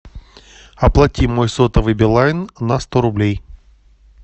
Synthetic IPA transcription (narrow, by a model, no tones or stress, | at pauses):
ɐplˠɐtʲimo̞jsot̪əvɨjbʲɪlˠajɪnːɐst̪oɾʊblʲej